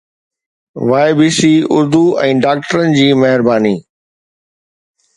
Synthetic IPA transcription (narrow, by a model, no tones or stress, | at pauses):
ʋaːɪbiːsiʊ̰ɾd̪uɛ̃ːɖaːk̚ʈəɾənɪ̆d͡ʑiːmɐɦɪɾbaːniː